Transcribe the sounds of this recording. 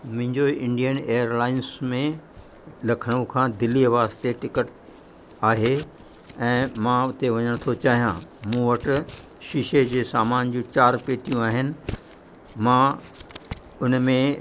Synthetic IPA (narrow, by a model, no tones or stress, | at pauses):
m̃ɦɪ̃ɲd͡ʑoɪ̃ɳɖijəneːəɾlaːɪnsmẽ | lɐkʰəɽ̃ũkʰãːd̪ɪliɐʋaːzt̪eʈɪkəʈ | aːɦe | ɛ̃ːmãʊt̪eʋɐɲəɽ̃t̪ʰot͡ɕaːɦijã̰ːmũːʋɐʈʊ̆ | ʃiʃed͡ʑeːsaːmaːnd͡ʑũːt͡ɕaːɾpeːt̪ijũaːɦɪnɪ̆ | mã | ʊnmẽ